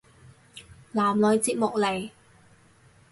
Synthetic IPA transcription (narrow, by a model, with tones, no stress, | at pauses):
laː˨˩mlɔː˨jt͡siː˧p̚mʊ˨k̚le˨˩j